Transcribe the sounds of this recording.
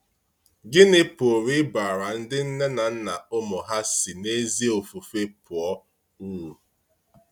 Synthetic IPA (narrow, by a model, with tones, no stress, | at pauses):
ɡɪ˦nɪ˦po˨ɾi˦ba˨ɾa˨n̩˦dɪ˦n̩˦ne˦na˨n̩˦na˨ʊ˦mɔ˨ɦa˦si˨ne˦zi˦o˨fu˨fe˦pʊ˨ɔ˦ | u˦wu˨